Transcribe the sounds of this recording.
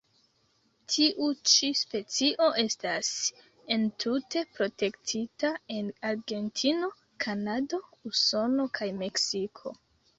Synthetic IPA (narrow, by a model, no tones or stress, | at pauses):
tʰiʔut͡ʃispe̞t͡siʔo̞ʔe̞stas | e̞ntʰute̞pɾo̞te̞ktʰitae̞naɾɡe̞ntʰino̞ | kʰanado̞uso̞no̞kʰajme̞ksikʰo̞̰